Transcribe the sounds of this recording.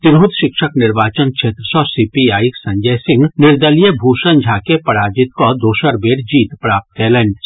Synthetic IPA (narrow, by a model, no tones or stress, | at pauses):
t̪ɪɾɦud̪ʃɪkʃəknɪɾbaːt͡ʃənkʃʰeːt̪ɾəsɔsiːpiaːjiksɐ̃ɲd͡ʒəsɪ̃ŋɡnɪɾd̪əlijəbʱuːʃənd͡ʒʱaːkepɐɽaːd͡ʒɪt̪kod̪oːʃəɾbeːɽd͡ʒiːt̪pɾaːp̚t̪keːleɳɖs